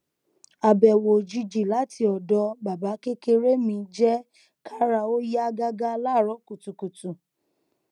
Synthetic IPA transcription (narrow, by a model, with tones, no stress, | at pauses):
a˧bɛ˨wo˨d͡ʒi˧d͡ʒi˨la˨˦ti˧ɔ˨dɔ˧ba˨ba˨˦ke˦ke˧ɾe˦mĩ˧d͡ʒɛ˦ | ka˦ɾa˧o˦ja˦ɡa˦ɡa˦la˦˨ɾɔ˨˦ku˨tu˨ku˨tu˨